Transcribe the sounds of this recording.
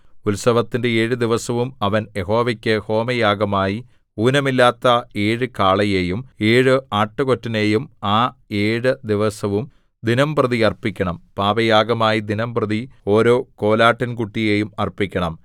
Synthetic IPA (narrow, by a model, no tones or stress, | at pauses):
ulsɐʋɐt̪ːinde̞e̞ːɻɨd̪iʋɐsɐʋumɐʋɐnjeɦo̞ːʋɐkʲːɨho̞ːmɐjaːɡɐmaːji | uːnɐmilːaːt̪ːɐe̞ːɻɨkaːɭɐje̞ːjumeːɻɨaːʈːɨko̞tːɐneːjumaːe̞ːɻɨd̪iʋɐsɐʋum | d̪inɐmprɐðiɐrpikʲːɐɳɐmpaːʋɐjaːɡɐmaːjid̪inɐmprɐðio̞ːɾo̞ːko̞ːlaːʈːɐnkuʈːije̞ːjumɐrpːikʲːɐɳɐm